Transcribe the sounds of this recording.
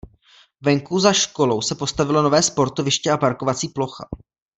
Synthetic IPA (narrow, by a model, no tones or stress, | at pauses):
vɛŋkuzaʃko̞lo̞wsɛpo̞st̪avɪlo̞no̞vɛːspo̞ɾt̪o̞vɪʃcɛapaɾkovat͡siːplo̞xa̰